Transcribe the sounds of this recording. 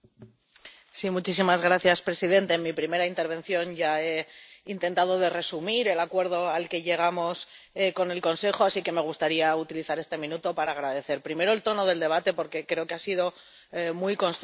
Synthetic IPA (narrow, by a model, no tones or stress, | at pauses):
simut͡ʃisimazɣɾaθjaspɾe̞sið̞e̞nt̪e̞ːnmipɾime̞ɾaint̪e̞ɾβ̞ẽ̞n̟θjo̞nʝae̞int̪e̞nt̪að̞o̞ð̞e̞re̞sumiɾe̞lakwe̞ɾð̞o̞alke̞ʝe̞ɣ̞amo̞s | eko̞ne̞lko̞nse̞xo̞asike̞me̞ɣ̞ust̪aɾiaut̪iliθaɾe̞st̪e̞mĩnut̪o̞paɾaːɣ̞ɾaðe̞θe̞ɾpɾime̞ɾo̞elt̪o̞no̞ð̞e̞ld̪e̞βat̪e̞po̞ɾke̞kɾe̞o̞ke̞asið̞o̞ | mujko̞nst̪